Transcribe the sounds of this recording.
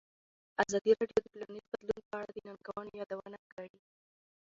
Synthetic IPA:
azɑd̪iɾɑɖjod̪əplanizbad̪lunpəaɽad̪ənɑnɡawɑnojɑd̪awanaɡaɽi

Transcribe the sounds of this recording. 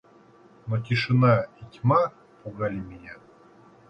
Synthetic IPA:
notʲɪʂɨnaitʲma | puɡalʲɪmʲɪnʲa

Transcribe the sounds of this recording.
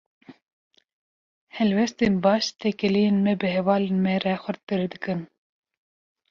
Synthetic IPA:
hɛlwɛst̪enbɑːʃt̪ʰɛkɨlijenmɛbɨɦɛvɑːlenmɛɾɛxʷɨɾt̪ɨɾd̪ɨkɨn

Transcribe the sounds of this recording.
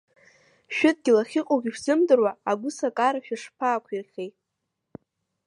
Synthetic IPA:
ʃᶣɪt̚ʼɡʲɪlaχʲiqʼoɡʲiʃzɨmdɨrwaaɡʷʊsakʼaɾaʃᶣaʂpʰaːkʷʰirχʲejtʼ

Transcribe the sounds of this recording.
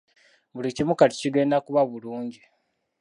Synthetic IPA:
βulicimukati̥ciɡe̞ːndakuβaβuluːɲɟi

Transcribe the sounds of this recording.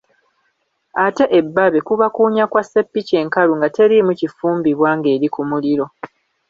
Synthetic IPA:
ate̞ʔebːaβe̞kuβakuːɲakwase̞pːice̞ːŋkaluŋɡate̞ɾimucifuːmbiβwaːŋɡe̞ːɾikumuliɾo̞

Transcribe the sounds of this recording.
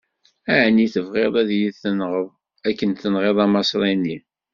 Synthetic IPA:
æʕniθəvʁeðˤæðjiðθənʁəðˤ | ækːənθənʁeðˤɑmɑsɾˤinːi

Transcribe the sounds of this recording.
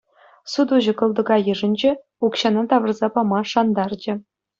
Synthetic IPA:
sud̪uʑɤ̆kɤ̆lˠd̪ɤ̆ɡɑjɯ̆ʐɘ̆nʲd͡ʑe | ukɕɑnɑt̪ɑʋɤ̆rzɑpɑmɑʂɑnd̪ɑrd͡ʑɘ̆

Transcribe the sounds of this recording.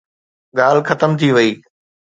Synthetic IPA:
ɠaːl̤ɪxɐt̪əmt̪ʰiʋɐiː

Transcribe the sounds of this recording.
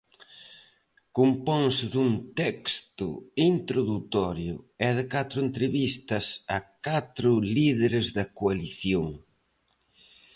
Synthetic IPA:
kumpɔŋsɪðuŋt̪ɛkst̪ʊ̰int̪ɾoðut̪ɔɾjʊɛðɪkat̪ɾʊent̪ɾeβist̪ɐsɐkat̪ɾʊliðeɾezðɐkoaliθjoŋ

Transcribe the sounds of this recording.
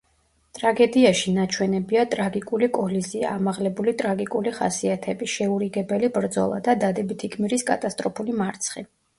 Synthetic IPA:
t̪ʼɾaɡɛd̪iaʃinat͡ʃʰwɛnɛbiat̪ʼɾaɡikʼulikʼɔlizia̰maʁlɛbulit̪ʼɾaɡikʼuliχa̰siat̪ʰɛbiʃɛuɾiɡɛbɛlibɾd̪zɔ̰lˠa̰d̪ad̪ad̪ɛbit̪ʰikʰmiɾiskʼa̰t̪ʼast̪ʼɾɔpʰulimaɾt̪sʰχḭ

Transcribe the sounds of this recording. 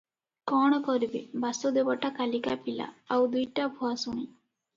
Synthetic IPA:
kɔɽ̃ɔkɔɾibebasod̪ebaʈakalikapila̰ːwd̪ujʈabʱuasuɽ̃i

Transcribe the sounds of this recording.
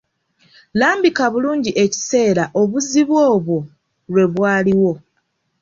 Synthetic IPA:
laːmbikaβuluːɲɟiʔe̞ci̥se̞ːɾaʔo̞βuziβwo̞ːβwo̞ | lwe̞βwaːliwo̞

